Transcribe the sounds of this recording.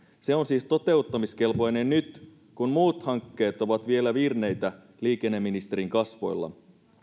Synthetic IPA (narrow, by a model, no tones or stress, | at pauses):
se̞onsiːst̪o̞t̪e̞ut̪ːɑmiske̞lpo̞jne̞nnyt̪ | kunmuːt̪hɑŋkːe̞ːt̪o̞ʋɑt̪ʋie̞læʋirne̞jt̪æ | liːk̟e̞nːemːinist̪e̞ɾiŋkɑsʋo̞̰jlːɑ̰